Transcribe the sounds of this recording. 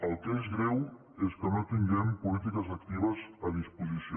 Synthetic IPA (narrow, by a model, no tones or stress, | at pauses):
əlˠt̪ezɣɾew | eskənot̪iŋɡɛmpulit̪ikəzək̚t̪iβəzəðispuzisi